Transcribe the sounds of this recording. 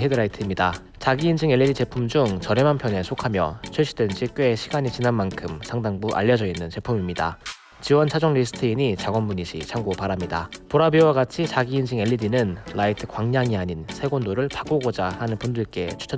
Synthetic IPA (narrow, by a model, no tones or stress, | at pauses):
ɦedɯɾaitʰɯimɲida | t͡ɕaɡiːnd͡ʑiŋe̞ɭʎːidit͡ɕe̞pʰumd͡ʑuŋt͡ɕʌɾe̞manpʰjʌne̞sʰokʰamjʌt͡ɕʰiɭɕ͈idwend͡ʑik͈weeɕʰiɡaɲit͡ɕinanmankʰɯmsʰaŋdaŋbuʔa̰ʎːʌd͡ʑʌinːɯnt͡ɕe̞pʰumimɲida̰ | t͡ɕiwʌnt͡ɕʰad͡ʑʌŋʎisʰɯ̥tʰɯiɲit͡ɕaɡwʌnbuɲiɕʰit͡ɕʰaŋɡopaɾamɲida̰poɾabiowaɡat͡ɕʰit͡ɕaɡiːnd͡ʑiŋe̞ʎːidinɯnlaitʰɯ̥kwaŋɲaŋiaɲinsʰe̞ɡondoɾɯɭpḁk͈oɡod͡ʑahanɯnpundɯɭk͈e̞t͡ɕʰu̥t͡ɕʰʌ